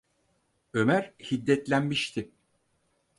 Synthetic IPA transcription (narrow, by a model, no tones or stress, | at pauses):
ø̞mæɾhid̪ːɛt̪lʲænmiʃt̪ʰɪ